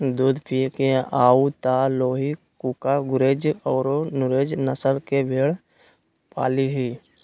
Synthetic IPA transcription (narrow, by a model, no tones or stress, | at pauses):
d̪uːd̪pikeaːut̪aːloːɦikuːkaɡʊɾeːd͡ʒɔːɾonʊɾeːd͡ʒnəsəlkebʱeːɽ | pa̰ːliɦiː